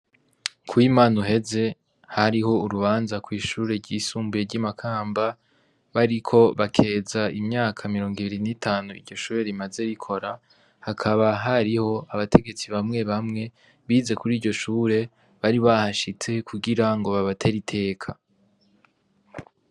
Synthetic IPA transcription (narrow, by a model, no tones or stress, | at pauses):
kʰwiːmaːnuɦe̞ze̞ | haɾiho̞uɾuβaːnzakwiːʃuːɾe̞ɾɟiːsuːmbuje̞ɾɟamakʰaːmba | βaɾikʰo̞βakʰe̞ːzaimɲaːkʰamiɾo̞ːŋɡiβiɾinitʰaːnuḭɾɟo̞ʃuːɾe̞ɾimaze̞ɾikʰo̞ɾa | hakʰaβaɦaɾiho̞aβatʰe̞ɡe̞t͡siβamŋe̞βamŋe̞ | βiːze̞kuɾiːɾɟo̞ʃuːɾe̞ | βaɾiβahaʃit͡se̞kʰuɡiɾaŋɡo̞βaβatʰeɾitʰe̞ːkʰa